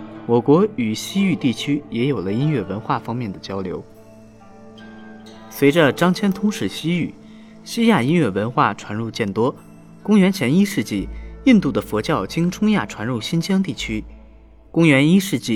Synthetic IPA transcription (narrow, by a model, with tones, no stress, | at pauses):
wɔ˨˩kwɔ˧˥y˨˩ɕi˥y˥˧t̪i˥˩t͡ɕʰy˥jɛ˧˥jo˨˩ʊlə˦i˥nɥɛ˥˩wə˧˥nxwa˥˩fɑ˥ŋmjɛ˥˩nd̪ə˩t͡ɕjɑ˥ʊljo˧˥ʊ | swe˧˥ɪʈ͡ʂə˧ʈ͡ʂɑ˥ŋt͡ɕʰjɛ˥nt̪ʰʊ˧˥ŋʂɻ̩˥˩ɕi˥y˥˩ | ɕi˥ja˥˩i˥nɥɛ˥˩wə˧˥nxwa˥˩ʈ͡ʂʰwa˧˥nɻu˥˧t͡ɕjɛ˥˩nt̪wɔ˥ | kʊ˥ŋɥɛ˧˥nt͡ɕʰjɛ˧˥ni˥ʂɻ̩˥˧t͡ɕi˥˩i˥˧nt̪u˥˩d̪ə˩fwɔ˧˥t͡ɕjɑ˥˩ʊt͡ɕi˥ŋʈ͡ʂʰʊ˥ŋja˥˩ʈ͡ʂʰwa˧˥nɻu˥˩ɕi˥nt͡ɕʰjɑ˥ŋt̪i˥˩t͡ɕʰy˥ | kʊ˥ŋɥɛ˧˥ni˥ʂɻ̩˥˧t͡ɕi˥˩